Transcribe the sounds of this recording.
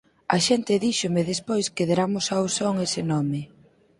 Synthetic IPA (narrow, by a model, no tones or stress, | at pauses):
aʃent̪ɪðiʃomeðespojskeðeɾamʊsawsoŋesɪnɔmɪ